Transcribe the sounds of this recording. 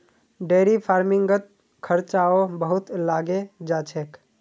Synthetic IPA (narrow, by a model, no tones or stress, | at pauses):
ɖeːɾipʰaːɾmɪ̃ŋɡət̪̚ | kʰəɾt͡ʃaːobəɦʊt̪laːɡed͡ʒaːt͡ʃʰeːk